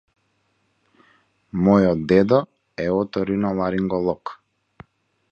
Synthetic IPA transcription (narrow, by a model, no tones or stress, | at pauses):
mɔjɔd̪ɛd̪ɔ | ɛɔt̪ɔɾinɔlˠaɾiŋɡɔlˠɔk